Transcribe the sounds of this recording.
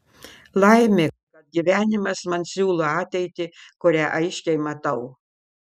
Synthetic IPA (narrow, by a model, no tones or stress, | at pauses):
lˠɐɪmʲɪ | kɐt̪̚ɡʲiʋʲæːnʲɪmɐsmɐnsʲuːlˠoɑːt̪ʲɛɪt̪ʲɪkʊɾʲæːʔɐɪʃʲkʲɛɪmɐt̪ɐʊ